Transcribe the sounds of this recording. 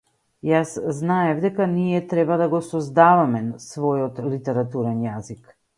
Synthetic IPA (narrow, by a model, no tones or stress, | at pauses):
jasznaɛvd̪ɛkaniɛt̪ɾɛbad̪aɡɔsɔzd̪avamɛsvɔjɔt̪lit̪ɛɾat̪uɾɛnjazik